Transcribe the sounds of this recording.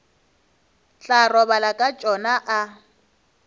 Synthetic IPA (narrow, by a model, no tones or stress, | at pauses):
ɬarɔβalakʼat͡ʃʼɔnaʔa